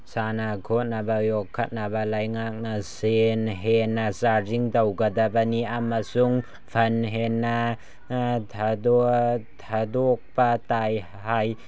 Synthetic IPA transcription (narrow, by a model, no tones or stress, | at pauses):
sanakʰɔnabajɔkʰːat̪̚nabalajŋak̚nasenɦɛnasaziŋd̪awkad̪abaniʔamasuŋ | pʰanɦɛna | t̪ʰadɔt̪ʰad̪ɔk̚pat̪aj | haj